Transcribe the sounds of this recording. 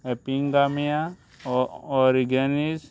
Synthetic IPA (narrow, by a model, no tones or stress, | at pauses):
epiŋɡamija | ɔɾiɡenis